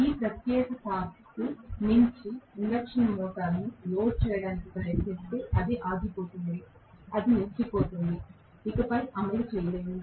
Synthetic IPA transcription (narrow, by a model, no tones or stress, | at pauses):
iːpɾɐt̪jɛːkɐt̪aːɾ | kuniɲt͡ʃiinɖɐkʂɐnmɔːʈaːnːiloːt͡ʃɛːjɐɽaːnikipɾɐɾjɐt̪nist̪e̞ːʔɐd̪eʔaːɡipoːt̪und̪i | ɐd̪iniɲt͡ʃipoːt̪und̪iː | kɐpɐjʔɐmɐlut͡ʃɛːjɐleːjund̪i